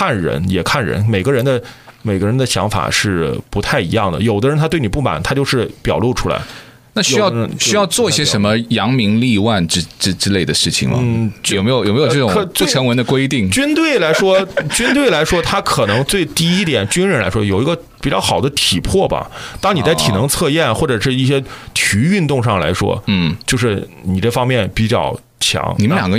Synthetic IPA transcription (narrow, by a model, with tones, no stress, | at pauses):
kʰa˥˩nɻə̰˧˥njɛ˨˩kʰa˥˩nɻə̰˧˥nme˨˩ɪɡə˦ɻə˧˥nd̪ə˧me˨˩ɪɡə˦˥ɻə˧˥nd̪ə˧ɕjɑ̰˧˥ŋfa̰˨˩ʂɻ̩˥˩pu˧˥t̪ʰa˥˩ɪḭ˧˥jɑ˥˩ŋd̪ə̰˩jo˨˩ʊd̪ə˧˦ɻnt̪ʰa˥t̪we˥˩ni˨˩p̬u˥˩ma̰˨˩nt̪ʰa˥t͡ɕjo˥˧ʂɻ̩˥˩pjɑ˨˩ʊlu˥˩ʈ͡ʂʰu˥la̰˧˥ɪ | na˥˩ɕy˥jɑ˥˧ɕy˥jɑ˥˧ʊt͡swɔ˥˧i˥˩ɕjɛ˥ʂə˧˥nmə˧jɑ˧˥ŋmi˧˥ŋli˥˧wa˥˧nʈ͡ʂɻ̩˥ʈ͡ʂɻ̩˥ʈ͡ʂɻ̩˥le˥˩ɪd̪ə˩ʂɻ̩˥˩t͡ɕʰḭ˨˩ŋmɐ̰n̩˥˩˨me˧˥jjo˨˩me˧˥jo˨˧˩ʈ͡ʂʈ͡ʂkʰt͡se˥˧ə˧˥ŋwə˧˥nd̪ə˧kwe˥ɪt̪i˥˩ŋt͡ɕy˥nt̪̬we˥˩ɪla˧˥ɪʂwɔ˥t͡ɕy˥nt̪̬we˥˩ɪla˧˥ɪʂwɔ˥t̪ʰa˥kʰɤ˨˩nɤ˧˥ŋt͡swe˥˧ɪt̪i˥˧i˥t̪jɛ˨˩nt͡ɕy˥nɻə˧˥nla̰˧˥ɪʂwɔ˥jo˨˩ʊi˧˥ɡə˧ | pi˨˩t͡ɕjɑ˥ʊxɑ˨˩ʊd̪ə˦t̪ʰi˨˩pʰwɔ˥˩bɐ̰˩t̪ɑ˥ŋni˨˩t͡sa˥˩ɪt̪ʰi˨˩nɤ˧˥ŋt͡sʰɤ˥˧jɛ˥˩nxwɔ˥˩ʈ͡ʂɤ˨˩ʂɻ̩˥˧i˥˩ɕjɛ˥t̪ʰy˧˥y˥˧nt̪ʊ˥˧ŋʂɑ˥˩ŋla̰˧˥ɪʂwɔ̰˥n̩˥˩t͡ɕjo˥˧ʊʂɻ̩˥˩ni˨˩ʈ͡ʂɤ˥˩fɑ˥ŋmjɛ˥˩npi˨˩t͡ɕjɑ̰˥˩ʊ | t͡ɕʰjɑ̰˧˥ŋni˨˩mljɑ˨˩ŋɡə˦˥